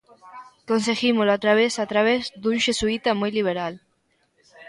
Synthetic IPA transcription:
kons̬eɣimoloat̪ɾaβ̞esat̪ɾaβezd̪unʃesuit̪amujliβ̞eɾal

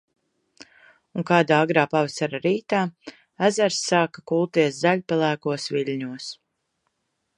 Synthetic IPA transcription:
uŋkaːd̪aːaɡɾaːpavasaɾaɾiːt̪aː | æzæɾsːaːkakulˠt̪iɛszæʎʲpalˠæːkuɔsviʎʲɲuɔs

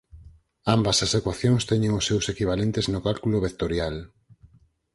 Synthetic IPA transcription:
ambɐsasekwaθjoŋst̪ɛɲẽŋʊsːewsekiβ̞alent̪eznʊkalkuloβekt̪oɾjal

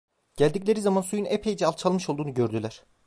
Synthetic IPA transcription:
ɟ̥ælʲd̪iclʲe̞ɾizamansujunepʰe̞jid͡ʒɛalˠt͡ʃʰalˠmɯʃo̞lˠd̪uːnuɟø̞ɾd̪ylʲæɾ̝̥

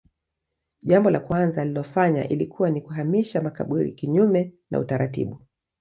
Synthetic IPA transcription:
ʄambɔlakwanzalilɔfaɲa̰ʔilikuwanikuɦamiʃamakaɓuɾḭkiɲumɛna̰ṵtaɾatḭɓu

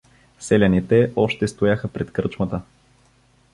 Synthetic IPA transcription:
sɛlʲɐnit̪ɛʔɔʃt̪ɛst̪ojaxəpɾɛt̪kɾɤt͡ʃmət̪ə

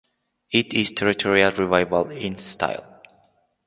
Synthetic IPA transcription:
ɪtɪztʰɛɹitʰɔɹialˠɹivaɪvəlɪ̃nstʰa̰ɪlˠ

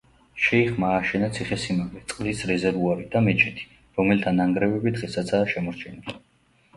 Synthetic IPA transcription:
ʃɛiχmaːʃɛnat̪sʰiχɛsimaɡlɛt̪sʼqʼlisɾɛzɛɾvuaɾid̪̥amɛt͡ʃʰɛt̪ʰi̥ | ɾɔmɛlt̪ʰanːaŋɡɾɛvɛbid̪ʁɛsat̪sʰaːʃɛmɔɾt͡ʃʰɛnili

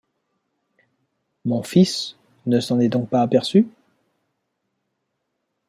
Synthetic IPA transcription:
mɔ̃fis | nəsɑ̃nɛd̪ɔ̃k̚paːpɛʁsy

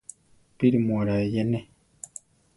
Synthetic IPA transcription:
piɾimwɔɾajɛnɛ

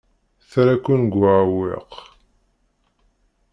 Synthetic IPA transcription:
θɾækːunɡʷaʕwḭq

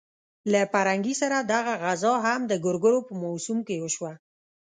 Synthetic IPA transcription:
lapaɾaŋɡisaɾad̪aɣaɣazɑɦamd̪əɡʊɾɡʊɽopəmɑsumkewəʃwa

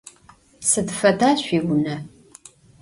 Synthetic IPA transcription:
sɨdfɐdaːɕʷiːɡʷʊnɐ

